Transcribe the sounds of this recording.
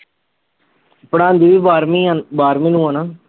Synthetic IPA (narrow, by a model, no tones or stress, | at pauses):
pəɽãːnd̪iːʋiːbaːɾmibaːɾmĩːnũːaːnaː